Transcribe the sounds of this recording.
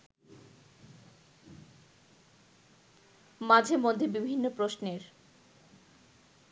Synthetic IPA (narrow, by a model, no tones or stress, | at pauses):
mad͡ʑʱemod̪ʱːebibʱinːopɾosneɾ